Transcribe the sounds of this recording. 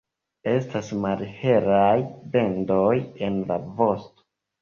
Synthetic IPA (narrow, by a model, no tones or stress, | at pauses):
e̞stasmalhe̞ɾajbe̞ndoje̞nla̰vo̞sto̥